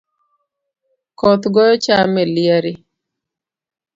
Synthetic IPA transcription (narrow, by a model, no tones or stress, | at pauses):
kɔt̪ɡɔjɔt͡ʃamɛlɪaɾɪ